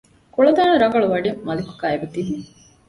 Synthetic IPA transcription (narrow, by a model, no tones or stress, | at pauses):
kuɭɐd̪aːnɐɾɐɡɐɭuʋɐɖemːɐliku̥ɡaːebɐt̪iɦuŋ